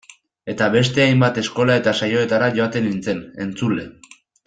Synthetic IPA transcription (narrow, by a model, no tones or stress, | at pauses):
e̞t̪aβe̞st̪e̞ajmbat̪e̞sko̞lae̞t̪asajo̞e̞t̪aɾaʝo̞at̪e̞nint͡se̞ne̞̰nt͡sule̞